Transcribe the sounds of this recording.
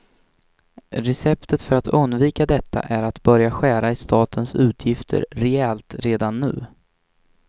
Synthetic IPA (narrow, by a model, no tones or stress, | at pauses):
ɾɛsɛp̚t̪ət̪fœɾat̪ɵnd̪viːkad̪ɛt̪ʰːa̰ʔæɾat̪bœɾjaɧæːɾaɪst̪ʰɑːt̪ʰənsʉ̟ːt̪ʰjɪft̪ʰə̰ɾɾɛɛlt̪ɾeːd̪anːʉ̟̰ː